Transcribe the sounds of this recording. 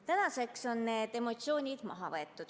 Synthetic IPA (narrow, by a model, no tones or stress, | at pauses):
t̪ænɑse̞kso̞nːe̞ːd̪̥e̞mo̞t̪sio̞ːnʲid̪̥mɑ̰ɦɑvɤe̞t̪ːˑud̪̥